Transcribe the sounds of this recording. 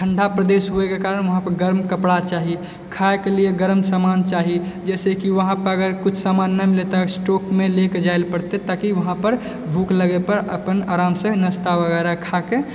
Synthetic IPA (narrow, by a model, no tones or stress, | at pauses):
ʈʰəɳɖʱapɾəd̪esɦuekekaːɾənʋəɦãpəɾɡəɾmkəpɽat͡ʃaɦi | kʰaekelieɡəɾmsamant͡ʃaːɦid͡ʒɛːsekiʋəɦãpəɾəɡəɾkʊt͡ʃʰsamanːamilet̪asʈokmeleked͡ʒaelpəɽt̪et̪akiʋəɦãpəɾ | bʱukləɡepəɾə̰pəna̰ɾamsə̃nəst̪aʋəɡɛɾakʰake